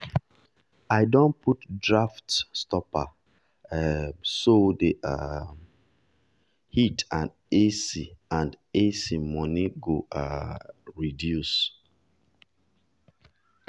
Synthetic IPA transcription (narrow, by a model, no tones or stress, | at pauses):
aɪdɔ̃nputdɹaftstɔpa̰ | sodeʔa̰ | hitãn | esiãnd | esimɔniɡoa | ɹidjus